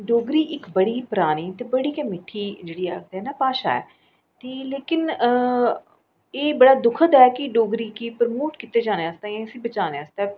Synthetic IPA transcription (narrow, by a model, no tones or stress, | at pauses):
ɖoːɡɾiːʔɪkbəɽiːpəɾaːniːt̪eːbəɽiːkɛ̃mɪʈʰːiːd͡ʒeːɽiːa̰ːɡ̚t̪ɦɛːnaːpaːʃa̰ːɛ̰ː | t̪eːleːkɪn | eːbəɽaːd̪ʊkʰət̪ɛːkɪɖoːɡɾiːkipəɾmoːʈkɪt̪eːd͡ʒaːneːast̪aːãsĩːbət͡ʃaːneaːst̪a